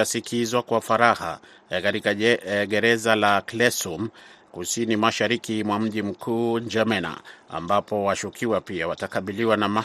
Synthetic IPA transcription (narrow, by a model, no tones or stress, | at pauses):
asikʰizwakwafaɾaha̰ | kaɾikaɡɛɾɛzalaklɛsum | kusinimaʃaɾikimwam̩ʄim̩kʰuːɲd͡ʒamɛna̰a̰mbapɔwaʃukʰiwapiawatakaɓiliwanama